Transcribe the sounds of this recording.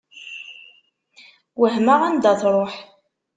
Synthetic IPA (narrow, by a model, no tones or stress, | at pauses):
wəɦmaʁænd̪æθɾˤoħ